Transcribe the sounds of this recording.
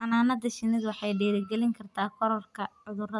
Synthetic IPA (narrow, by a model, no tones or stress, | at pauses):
ɑnaːnɐd̪ɐʃɪnɪðwɑħɑjɖɛːɾɪɡɛlɪŋkʰɐrt̪ʰaːkʰɔɾɔrkʰɐʕʊðʊrɐ